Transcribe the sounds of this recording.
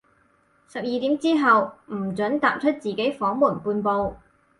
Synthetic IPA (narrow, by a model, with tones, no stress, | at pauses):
sɐ˨p̚jiː˨˧t̪iː˨˥mt͡siː˥ɦɐ˨wm̩˨˩t͡ʃɵ˨˥nt̪aː˨p̚t͡ʃʰɵ˥t̚t͡siː˨ke˨˥jfɔː˨˥ŋmuː˨˩npuː˧npo˧w